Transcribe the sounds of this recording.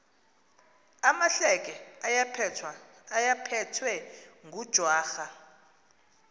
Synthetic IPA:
amaɬɛkʼɛajapʰ | ajapʰɛtʰwɛŋɡud̥ʒ̥ʱwaːxa

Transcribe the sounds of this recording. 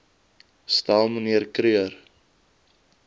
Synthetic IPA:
stalˠməniərkɾyər

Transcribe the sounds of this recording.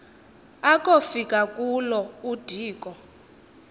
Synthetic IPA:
akʼofikʼakʼulɔud̥ʱiːkʼɔ

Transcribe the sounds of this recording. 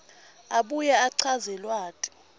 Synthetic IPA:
aɓujaːǀʰazɛlwaːtʼi̥

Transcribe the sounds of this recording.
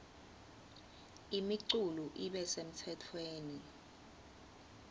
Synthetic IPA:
imiǀuluʔiɓɛsem̩tʰɛtʰweːni

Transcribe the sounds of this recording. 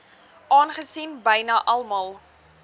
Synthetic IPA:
ʔɑːnχəsinbəjnɐʔɐlˠmɐlˠ

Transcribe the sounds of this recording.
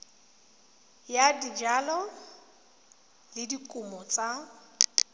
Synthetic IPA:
jadid͡ʒalɔ | lɪdikʼʊmɔt͡sʼa

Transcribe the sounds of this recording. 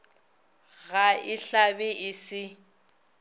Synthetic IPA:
ɣaɪɬabɪʔɪsɪ

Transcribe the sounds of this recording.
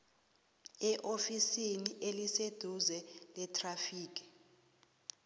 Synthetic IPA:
ɛʔofisiniʔelised̥ʱuzɛlɛtʰʼrafiːk̬ʼi̥

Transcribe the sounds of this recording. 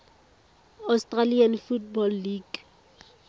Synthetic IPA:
astʼralianfutbɔlːiɡ

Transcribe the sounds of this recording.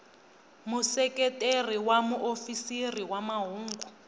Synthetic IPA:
musɛkʼɛtʼeriwamuʔofisiriwamaɦuːŋɡu

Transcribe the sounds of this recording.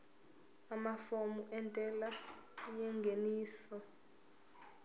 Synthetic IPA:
amafomuʔɛntʼɛlajɛŋɡʱeniːsɔ

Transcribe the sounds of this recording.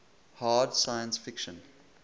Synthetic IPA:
haːdsaɪə̃nsfɪkʃə̃n

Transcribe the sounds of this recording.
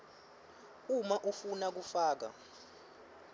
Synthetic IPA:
umaʔufunak̬ufaːk̬a̰

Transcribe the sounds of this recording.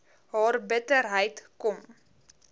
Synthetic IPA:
ɦɑːrbətərɦəjtkɔm

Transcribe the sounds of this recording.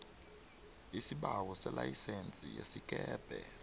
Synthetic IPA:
isiɓawɔsɛlajisent͡sʼijesik̬ʼɛːb̥ʱɛ

